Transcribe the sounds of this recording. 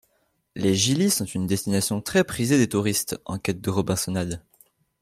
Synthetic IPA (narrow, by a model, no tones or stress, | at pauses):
leʒilisɔ̃t̪ynd̪ɛst̪inasjɔ̃t̪χɛpχized̪et̪uʁist̪ɑ̃kɛt̪̚d̪əʁɔbɛ̃sɔnad̪